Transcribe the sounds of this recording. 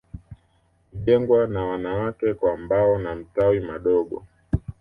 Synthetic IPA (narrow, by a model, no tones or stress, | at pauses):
ʄɛŋɡwanawanawakɛkwambaɔnam̩tawimaɗɔɠɔ̰